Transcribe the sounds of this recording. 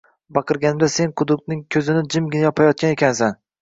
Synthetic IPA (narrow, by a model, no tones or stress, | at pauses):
bɑqʰɨɾɡʲanɪmd̪ase̞nqʰʊd̪ʊk̚t̪nɪŋkʲʰɵzɪnɪd͡ʒɪmɡʲɪnajɒpʰajɒt̪̚kʲane̞kʲansan